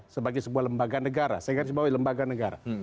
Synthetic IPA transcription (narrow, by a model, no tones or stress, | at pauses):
səbaɡajsəbuahləmbaɡanəɡaɾa̰sajaɡaɾʊsbawaləmbaɡanəɡaɾa̰